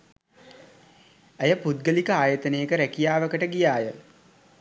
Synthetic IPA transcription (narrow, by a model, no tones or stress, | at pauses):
ejəpud̪̚ɡəlikəaːjət̪ənəjəkəɾækijaːʋəkəʈəɡijaːjə